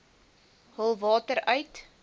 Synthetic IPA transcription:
həlˠvɑːtəɾœɥt

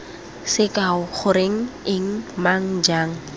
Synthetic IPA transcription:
sɪkʼaʊχʊɾeŋ̩ɪŋ̩maŋ̩d͡ʒaːŋ̩

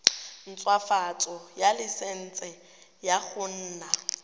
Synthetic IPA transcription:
n̩t͡sʼwafat͡sʼɔjalɪsen̩t͡sʼɛ | jaχʊn̩ːna

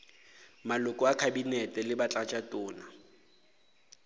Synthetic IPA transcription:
malʊkʼɔakʰabinɛtʼɛlɪbat͡ɬʼat͡ʃʼatʼʊːna

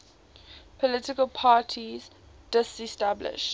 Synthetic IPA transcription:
pʰɔlɪtɪkəlˠpʰaːtʰiz | d̥ɪsɛstablɪ̰ʃt

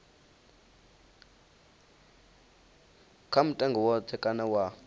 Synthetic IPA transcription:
kʰam̩tʼaŋɡʱɔwɔt̪ʰɛkʼanawa

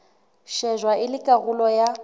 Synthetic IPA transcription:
ʃɛʒwaʔɪlɪkʼaɣulɔja

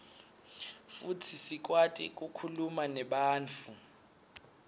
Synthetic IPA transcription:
futʰisik̬watʼḭk̬ʼukʰulumanɛɓaːnt͡fʰu

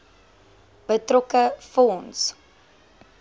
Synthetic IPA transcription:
b̥ətrɔkəfɔns

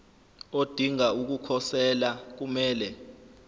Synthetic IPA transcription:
od̥ʱiŋauk̬ukʰɔsɛlak̬umɛːlɛ

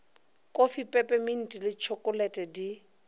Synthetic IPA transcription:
kʼofipʼɛpʼɛmɪn̩tʼilɪt͡ʃʰɔkʼʊlɛtʼɛdi

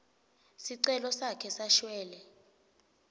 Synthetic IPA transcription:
siǀɛlɔsakʰɛsaʃwɛːlɛ

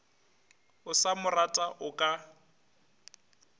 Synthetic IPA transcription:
ʊsamʊratʼaʔʊkʼa

